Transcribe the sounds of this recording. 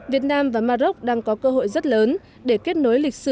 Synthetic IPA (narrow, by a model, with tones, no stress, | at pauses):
vi˨˩ət̚naː˧mvaː˨˩maː˧zo˦˥k͡p̚ɗaː˧ŋkɔ˨˦kəː˧ɦo̰˧˨jzt̚ləː˨˦n | ɗe˧˩ke˦˥t̚no˨˦jlï˨˩k̟̚sɨ̰˧˩